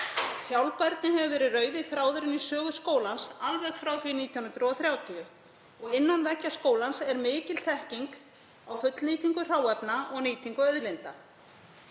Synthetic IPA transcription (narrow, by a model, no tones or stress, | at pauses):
θjawlpaɾt̪nɪɦɛvavɛːɾɪrœːɥðɪθɾaːwðʏɾɪnisœːɣʏskoːwlansalvɛɣfɾawθvɪniːt̪ʰjaunʏnt̪ɾʏɔθɾjaːwt̪ʰiʏ | ɔɣɪnːanvɛcːaskoːwlansɛɾmɪːcɪlθɛhciŋk | awfʏt̪lniːt̪ʰiŋkʏr̥aːwapnaɔɣniːt̪ʰiŋkʏœðlɪnt̪a